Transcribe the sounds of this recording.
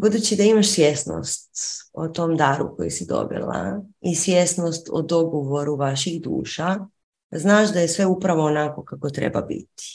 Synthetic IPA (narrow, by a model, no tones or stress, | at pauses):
bud̪ut͡ɕid̪aimaʃsjesno̰st̪ot̪o̞md̪aɾṵko̰jḭsid̪o̰bḭlˠa̰isʋjesnost̪o̰d̪o̞ɡoʋo̞ɾuʋaʃiɣd̪ṵːʃa | znaːʃd̪ajesʋe̞upɾaʋo̞ːnako̞kako̞t̪ɾḛba̰bḭt̪i̥